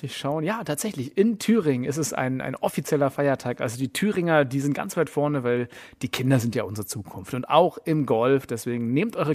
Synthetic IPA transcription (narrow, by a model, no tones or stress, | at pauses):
ɪçʃaʊənjaːtʰaːtz̥ɛçlɪçʔɪntʰyːʁɪŋɪstɛsa̰ɪna̰ɪnʔɔfit͡sjɛlɐfaɪɐtʰaːkʔa̰lzodiːtʰyːʁɪŋɐdiːzɪntɡ̥a̰nt͡sv̥aɪtfɔɐnəvaɪld̥iːkʰɪndɐzɪntjaːʔʊnzəʁət͡suːkʰʊnftʊntʔa̰ʊxɪmɡɔlfd̥ɛsv̥eːɡŋ̩neːmtʔɔʏʁə